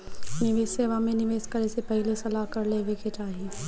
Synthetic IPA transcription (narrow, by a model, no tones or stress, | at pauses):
nɪʋeːsːeːʋamẽnɪʋeːskɐɾesepɐɦlesɐlaːkɐɾleʋɪkɪʈaːɦe